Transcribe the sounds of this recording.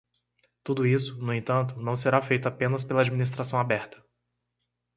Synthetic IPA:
t̪ud̪ʊisʊnʊẽt̪ɐ̃nt̪ʊnɐ̃w̃seɾafejt̪ʊapẽnɐspelɐaːd͡ʒiminist̪ɾasɐ̃w̃abɛɾt̪ɐ̥

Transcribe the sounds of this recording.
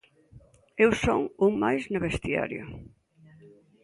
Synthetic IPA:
ewso̰ŋuŋmajznɐβest̪ja̰ɾjʊ̰

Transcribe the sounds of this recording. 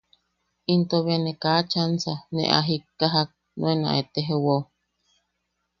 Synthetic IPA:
int̪oβenekat͡ʃansanḛ̃ʔa̰ɦikːaɦak̚ | nõenã̰ʔet̪eɦewo

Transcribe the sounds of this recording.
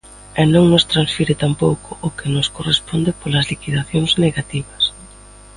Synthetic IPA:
ɛnõŋnʊst̪ɾansfiɾɪt̪ampowkʰʊʔːkenʊskorespond̪ɪpolɐzlikiðaθjoŋzneɣat̪iβɐs

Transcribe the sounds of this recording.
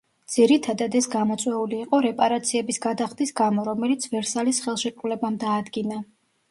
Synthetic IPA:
d̪z̥iɾit̪ʰad̪ad̪ɛsɡamɔt̪sʼwɛuliːqʼɔɾɛpʼaɾat̪sʰiɛbisɡad̪aχd̪isɡamɔɾɔmɛlit̪sʰvɛɾsalisχɛlˠʃɛkʼulɛbamd̪aːd̪ɡina

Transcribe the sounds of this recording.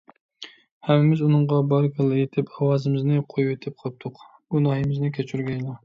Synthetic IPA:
hɛmɪmɪzunɨŋʁɑbɑɾɡʲʰɑlˠɨet̪ʰɪpʰɑwɑːzɪmɪznɪqʰojuwet̪ʰɪp̚qʰɑp̚t̪ʰʊq | ɡunɑhɨmɪznɪkʲʰet͡ʃʰyɾɡʲɛjlˠɑ

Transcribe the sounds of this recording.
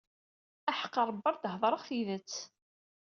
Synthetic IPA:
aħə̥qːɑɾˤbːɑɾˤd̪həðˤɾˤəʁθiðət͡sː

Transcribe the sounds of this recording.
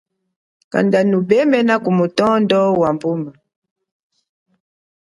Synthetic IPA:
ka̰ndanubɛmɛnakumutɔndɔwambuma

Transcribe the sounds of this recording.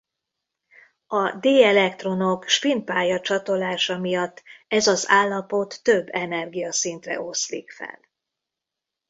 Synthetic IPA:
ɒd̪eːɛlɛkt̪ro̞no̞kʃpint̪̚paːjɒt͡ʃɒt̪o̞laːʃɒmijɒt̪ːɛzɒzaːlːɒpo̞t̪ːøbːɛnɛrɡijɒsint̪rɛ̰ʔo̞slḭkfɛ̰l

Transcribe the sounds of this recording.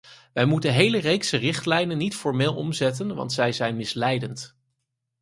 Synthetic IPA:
ʋɛjmutənɦejlərejksərɪχtlɛjnənːitfɔɹmɪːlˠɔmzɛtənʋɑ̰ntsɛjzɛjnmɪslɛjdənt

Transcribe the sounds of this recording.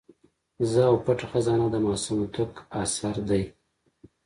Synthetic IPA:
zəawpaʈaxazɑnad̪əmɑːsumt̪ʊkasaɾd̪aj

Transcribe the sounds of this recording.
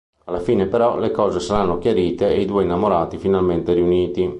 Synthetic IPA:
alːafiːnepeɾɔlekɔːzesaɾanːokjaɾiːt̪eːjd̪uːeinːamoɾaːt̪ifinalment̪eriuniːt̪i

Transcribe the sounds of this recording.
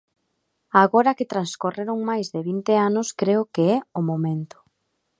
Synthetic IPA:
aɣoɾaket̪ɾanskoreɾoŋmajzðeβint̪eanʊskɾeʊkeɛʊmomẽnt̪ʊ̥

